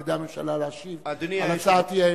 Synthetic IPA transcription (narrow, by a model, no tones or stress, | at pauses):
d̪amemʃa̰lalaʃivd̪niamasat̪ia